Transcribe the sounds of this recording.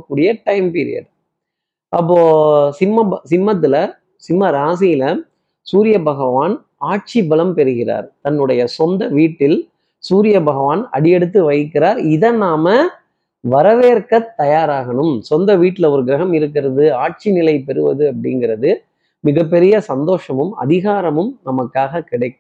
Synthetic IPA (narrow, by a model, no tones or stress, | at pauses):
kːuːɽɪjɐʈɐɪmpiːɾɪ̰jɐ̰ɖ | ʔɐpːoːsɪmːɐsɪmbɐt̪̬ːɪlɐ | sɪmːɐɾaːsɪjɪlɐ | suːɾɪjɐbɐɣɐʋaːn | aːʈ̚t͡ʃibɐlɐmpɛɾɯɣɪra̰ːɾt̪ɐnːɯɽɐjɐsɔnd̪ɐʋiːʈːɪl | suːɾɪjɐbɐɣɐʋaːnɐ̰ɽɪjɛɽɯt̪̬ːɯʋɐɪkːɪɾaːɾɪðɐnaːmɐ | ʋɐɾɐʋeːɾkɐt̪ːɐjaːɾaːɣɐɳɯmsɔnd̪ɐʋiːʈːɪlɐɔɾɯɡɪɾɐɣɐmɪɾɯk̬ːɪɾɐðɯaːʈ̚t͡ʃinɪlɐɪpɛɾɯʋɐ̰ðɯɐp̬ːɐɽɪ̰ŋɡɪɾɐðɯ | mɪɣɐpːɛɾɪjɐsɐnd̪oːʂɐmɯmɐ̰ðɪɣaːɾɐmɯmnɐmɐkːaːɣɐkɪɽɐɪkːɯ